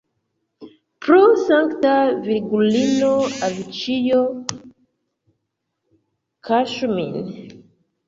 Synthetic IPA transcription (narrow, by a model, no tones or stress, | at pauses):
pɾosaŋktaviɡulinoavit͡ʃijo | kʰaʃmin